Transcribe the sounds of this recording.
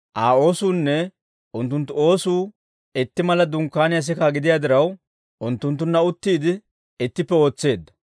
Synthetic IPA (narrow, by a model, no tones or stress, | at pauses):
ʔaːo̞ːsuːnːɛ | ʔʊnt̪ːʊnt̪ːʊo̞ːsuː | ɛt̪ːɪmɐlɐd̪ʊŋkːaːnɪjɐs̬ɪkaɡɪd̪ɪjaːd̪ɪɾɐw | ʊnt̪ːʊnt̪ːʊnːɐʊt̪ːiːd̪ɪ | ɛt̪ːɪpːɛo̞ːt͡sːe̞ːd̪ːɐ̥